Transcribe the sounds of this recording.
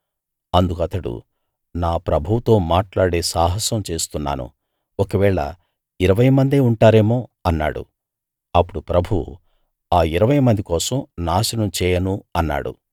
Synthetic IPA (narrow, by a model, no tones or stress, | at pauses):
ɐnd̪ukɐt̪ɐɽṵ | naːpɾɐbʱuwt̪o̞ːmaːʈlaːɽe̞ːsaːɦɐsɐmt͡ʃe̞ːst̪unːa̰ːnṵ | okɐʋɛːɭɐ̰ | iɾɐʋɐjmɐnd̪e̞ːuɳʈaːɾe̞ːmo̞ːɐnːa̰ːɽṵ | ɐpːuɽupɾɐbʱuṵ | aːiɾɐʋɐjmɐnd̪ikɔːsɐmnaːʃɐnɐmt͡ʃɛːjɐnuɐnːa̰ːɽṵ